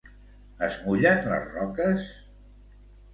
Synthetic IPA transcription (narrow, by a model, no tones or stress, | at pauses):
əzmuʎanlə̰zrɔkəs